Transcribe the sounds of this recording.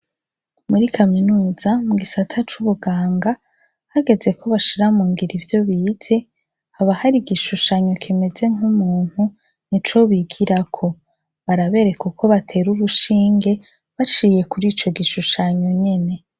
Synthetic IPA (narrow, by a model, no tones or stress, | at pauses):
muɾikʰaminuːz̥amuɡisatʰat͡ʃuβuɡaːŋɡa | haɡe̞ze̞kʰo̞βaʃiɾamuːŋɡiɾivjo̞βiːtʰe̞ | haβahaɾiɡiʃuʃaɲo̞kʰime̞ze̞ŋumuːn̥hu | nit͡ʃo̞βiɡiɾakʰo̞ | βaɾaβe̞ɾe̞kukʰo̞βatʰe̞ɾuβuʃiːŋɡe̞ | βat͡ʃije̞kuɾiːt͡ʃo̞ɡiʃuʃaɲo̞ɲe̞ne̞